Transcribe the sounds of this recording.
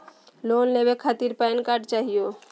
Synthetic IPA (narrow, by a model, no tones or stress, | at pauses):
lonlebekʰat̪iɾpajnkaɾʈt͡ʃaːɦijo